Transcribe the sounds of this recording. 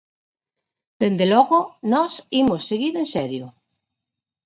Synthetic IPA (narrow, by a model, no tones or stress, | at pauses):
d̪̥end̪elɔɣonɔsimosːeɣiɾensɛɾjo